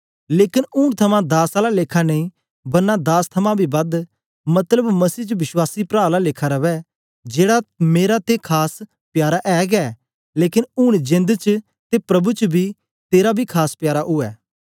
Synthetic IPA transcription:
leːkɪnʊːɳt̪ʰəmãːd̪aːsaːlalekʰanəĩː | bɐnad̪aːst̪ʰəmãːbʱiːbɐd̪ | mɐt̪ləbmɐsiːt͡ʃəʋɪswaːsipɾaːlalɪːkʰaɾəʋɛː | d͡ʒeːɽameːɾat̪ekʰaːs | pjaːɾaʔɛːɡɛː | leːkɪnʊːɽ̃d͡ʒɪ̃nd̪t͡ʃ | t̪epɾəbut͡ʃbʱiː | t̪eːɾabʱiːkʰaːspjaːɾaʔʊɛ̰ː

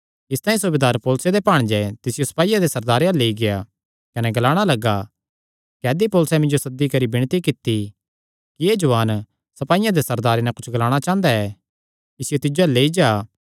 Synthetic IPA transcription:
ɪst̪ãːĩs̬ʊbeːd̪aːɾpoːlʊsed̪epaːɽ̃d͡ʒɛt̪ɪsɪjosɐ̥paːijãd̪esɐɾd̪aːɾeɛleːiɡɪja | kɐnɛɡɐlaːɽ̃alɐɡa | kɛːd̪ipoːlʊsɛ̃mɪ̃nd͡ʒosɐd̪ːikɐɾibɪɽ̃t̪ikɪt̪ːi | kied͡ʒʊʋaːn | sɐpaːijãd̪esɐɾd̪aːɾenɛ̃kʊt͡ʃʰɡɐlaːɽ̃at͡ʃãːnd̪aɛ | ɪsɪjot̪ɪd͡ʒoɛlːeːid͡ʒaː

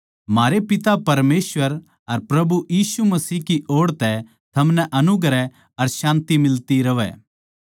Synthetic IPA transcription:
maːɾepɪt̪apɐɾmeːsʋəɾ | ɐɾpɾɐbujiːsumɐsiːɦkiʔoːɽt̪ɛ | t̪ʰɐmnɛʔɐnʊɡɾɛ | ɐɾʃãːnt̪imɪlt̪iɾɐʋɛ̰

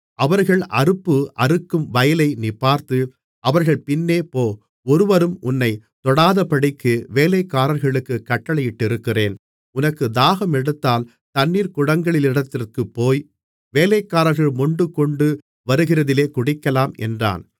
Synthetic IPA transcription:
ʔɐʋɐɾɣɐɭʔɐɾɯpːɯʔɐɾɯkːɯmʋɐjɐlɐɪnɪpːaːɾt̪ɯ | ʔɐʋɐɾɣɐɭpɪnːeːpoː | ɔɾɯʋɐɾɯmʔʊnːɐɪt̪ɔɽaːðɐpɐɽɪkːɯʋeːlɐɪkːaːɾɐɾɣɐɭɯkːɯkːɐʈːɐɭɐjɪʈːɪɾɯkːɪreːn | ʊnɐkːɯd̪aːɣɐmɛɽɯt̪ːaːl | t̪ɐnːiːɾkʊɽɐŋɡɐɭɪlɪɽɐt̪ːɪrkɯpːoːj | ʋeːlɐkːaːɾɐɾɣɐɭmɔɳɖɯkɔɳɖɯ | ʋɐɾɯɣɪrɐðɪleːkʊɽɪkːɐlaːmɛ̰ndra̰ːn

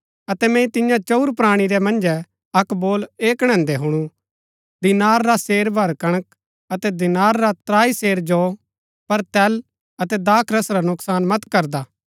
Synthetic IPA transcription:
ɐt̪ɛmɛ̃ĩt̪ɪjãt͡ʃouɾpɾaːɽ̃iɾɛmɐ̃nd͡ʒɛ | ɐkboːleːkɽ̃ɛ̃ːnd̪ɛɦʊɽ̃u | d̪ɪnaːɾːaseːɾbʱɐɾkɐɽ̃ək̚ | ɐt̪ɛd̪ɪnaːɾːat̪ɾaːiseːɾd͡ʒo | pɐɾt̪ɛːl | ɐt̪ɛd̪aːkʰɾɐsɾanʊksaːnmɐt̪kɐɾd̪aː

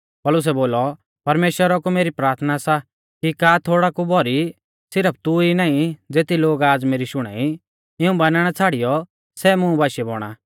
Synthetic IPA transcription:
pɐlʊs̬ɛboːlɔ | pɐɾmeːʃwəɾɔkumeːɾipɾaːɾt̪ʰnasa | kikaːt̪ʰoːɽakubʱɔɾi | sɪɾəp̚ʰt̪uinaːĩd͡zeːt̪iloːɡaːd͡zmeːɾiʃʊɽ̃a̰ːi | ɪũbanaːɽ̃at͡sʰaːɽijɔ | sɛmʊ̃bʱaːʃɛbɔ̰ːɽ̃a̰ː

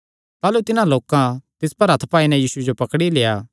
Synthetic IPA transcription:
t̪aːlut̪ɪnãloːkãt̪ɪspɐɾɦɐt̪ʰpaːinɛjiːsued͡ʒopɐkɽileːjaː

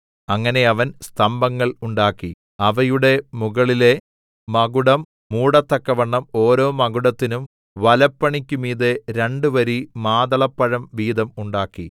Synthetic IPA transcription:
ɐŋːɐne̞ɐʋɐnst̪ʰɐmbɐŋːɐɭuɳɖaːkːi | ɐʋɐjuɽe̞muɣɐɭile̞ | mɐɡuɽɐmː | uːɽɐt̪ːɐkːɐʋɐɳːɐmo̞ːɾo̞ːmɐɣuɽɐt̪ːinum | ʋɐlɐpːɐɳikʲːumiːðeɾe̞ɳɖɨʋɐɾimaːðɐɭɐpːɐɻɐmʋiːd̪ɐmuɳɖaːkːi

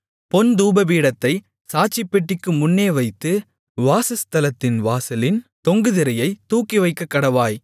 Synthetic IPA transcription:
pɔnd̪uːbɐbiːɽɐt̪ːɐɪ | saːt͡ʃːɪpːɛʈːɪkːɯmʊnːeːʋɐɪt̪ːɯ | ʋaːsɐst̪ɐlɐt̪ːɪnʋaːsɐlɪnt̪ɔŋɡɯðɪɾɐjɐɪt̪ːuːkːiʋɐɪkːɐkːɐɽɐʋaːj

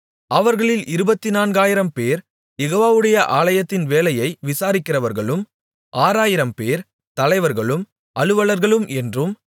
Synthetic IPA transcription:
ɐʋɐɾɣɐɭɪlɪɾɯbɐt̪ːɪnaːnɡaːjɪɾɐmpeːɾ | jɛɣoːʋaːʋɯɽɐjɐʔaːlɐjɐt̪ːɪnʋeːlɐjɐɪʋɪsaːɾɪkːɪrɐʋɐɾɣɐɭɯm | ʔaːɾaːjɪɾɐmpeːɾ | t̪ɐlɐɪʋɐɾɣɐɭɯm | ɐɭɯʋɐɭɐɾɣɐɭɯmʔɛndrɯm

